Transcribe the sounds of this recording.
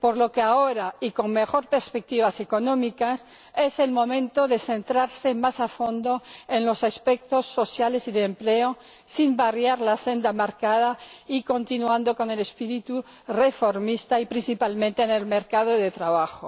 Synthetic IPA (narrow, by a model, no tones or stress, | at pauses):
poɾlo̞keaoɾaiko̞ŋme̞xo̞ɾpeɾspek̚t̪iβase̞ko̞nõ̞mikas | e̞se̞lmõ̞mẽ̞nt̪o̞ðe̞θe̞nt̪ɾaɾsemasafo̞nd̪oenlo̞saspek̚t̪o̞sːo̞sjale̞siðeːmpleoː | imbarjaɾlase̞nd̪amaɾkaðaiko̞nt̪inwand̪o̞ko̞ne̞le̞spiɾit̪u | refoɾmist̪aipɾinsipalmẽnt̪eːne̞lmeɾkað̞oðet̪ɾaβ̞axo